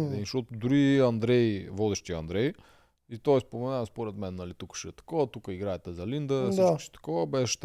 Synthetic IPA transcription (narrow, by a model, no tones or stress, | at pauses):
ɛʃɔt̪ʊd̪uɾiɐnd̪ɾɛjvɔd̪ɛʃt̪iɐ̰nd̪ɾɛj | it̪ɔɛspomɛnaspoɾɛt̪mɛnːɐlit̪ukə̥ʃɛt̪ɐ̥kɔvɐt̪ukəiɡɾajɛt̪ɛzɐlind̪əsd̪it͡ʃkə̥ʃt̪ɐ̥kɔvəbɛʃɛ̥t̪